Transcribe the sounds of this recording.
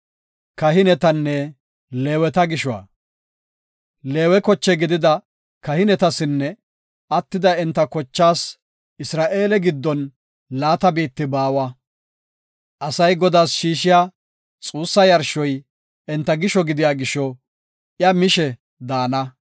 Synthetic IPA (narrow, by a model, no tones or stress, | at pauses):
kɐɦɪnɛt̪ɐnːɛ | le̞ːwɛt̪ɐɡɪʃɔwɐ̰ | leːwɛkɔt͡ʃːɛɡɪd̪ɪd̪ɐ | kɐhɪnɛt̪ɐsɪnːɛ | ɐt̪ːɪd̪ɐɛnt̪ːɐkɔt͡ʃːaːs | ɪsɾaːʔe̞ːlɛɡɪd̪ːɔn | laːt̪ɐbiːt̪ːɪbaːwɐ | ʔɐsɐjɡɔd̪aːsʃiːʃɪjaː | t͡sʼuːsːɐjɐɾʃɔj | ɛnt̪ːɐɡɪʃɔɡɪd̪ɪjaːɡɪʃɔ | ɪjɐmɪʃɛ | d̪aːnɐ